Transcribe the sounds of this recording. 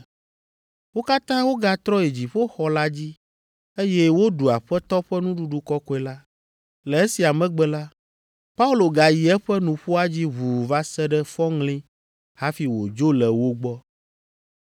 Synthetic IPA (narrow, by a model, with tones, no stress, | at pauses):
wo˦ka˦t̪ã˦wo˦ɡa˦t̪ɾɔ˦e˨d͡ʑi˨ɸɛ˦xɔ˨la˦d͡ʑi˦ | e˦jɛ˦wo˦ɖu˨a˨ɸɛ˦t̪ɔ˦ɸɛ˦nũ˦ɖu˦ɖu˨kɔ˦kɔ˦ɛ˦la˦ | lɛ˨e˦si˨a˨mɛ̃˦ɡ͡bɛ˦la˦ | pa˦u˦lo˨ɡa˨ji˨ɛ˦ɸɛ˦nũ˨ɸu˦a˦d͡ʑi˦βu˨va˦sɛ˦ɖɛ˦fɔ˦ŋlĩ˦ | ha˦fi˨wo˨d͡ʒo˦lɛ˨wo˦ɡ͡bɔ˦